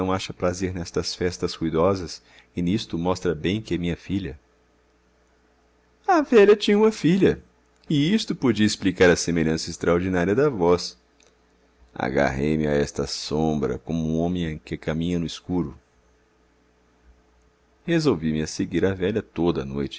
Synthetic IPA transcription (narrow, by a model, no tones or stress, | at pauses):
ɐ̃w̃aʃɐpɾazeɾnɛst̪ɐsfɛst̪ɐshujd̪ɔzɐs | ɪnist̪ʊmɔst̪ɾɐbẽj̃kɪɛmĩɲɐfiʎɐ | ɐvɛʎɐt͡ʃĩɲɐũmɐfiʎɐ | ɪist̪ʊpod͡ʒiɐisplikaɾɐsemeʎɐ̃sɐɪst̪ɾaoɾd͡ʒinaɾiɐd̪ɐvɔs | a̰ɡa̰ɦejmɪaɛst̪ɐsõbɾɐ̰kõmʊũõmẽj̃ẽkɪkamĩɲɐnʊiskuɾʊ | hezowvimɪɐseɡiɾɐvɛʎɐt̪od̪ɐ̰nojt͡ʃɪ̥